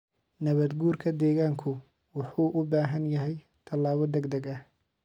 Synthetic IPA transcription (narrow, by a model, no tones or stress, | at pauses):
nɐβɐd̪ɡuːrkʰɐd̪ɛːɣaːŋkʰʊ | wɑħuːʔʊbaːɦɐnjɐɦɛj | t̪ʰɐlaːβɔd̪ɛɡd̪ɐɡɐh